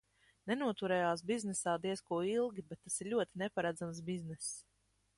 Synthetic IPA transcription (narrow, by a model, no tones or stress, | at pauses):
nɛnuɔt̪uɾɛːjaːs̬biznɛsaːd̪iɛskuɔilˠɡʲibɛt̪ːasiɾʎʲuɔt̪inɛpaɾad̪zams̬biznɛs